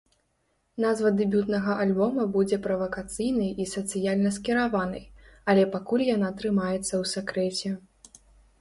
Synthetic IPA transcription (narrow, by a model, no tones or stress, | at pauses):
nazvɐd̪ɨbʲut̪nɐɣɐʔalʲbɔmɐbud͡zʲɛpɾɐvɐkat̪sɨjnɨjisɐt̪sɨjalʲnɐskʲɛɾavanɨ̰jɐlʲɛpakulʲjanat̪ɾɨmajɛt̪sːɐwsʲakɾɛt͡sʲɛ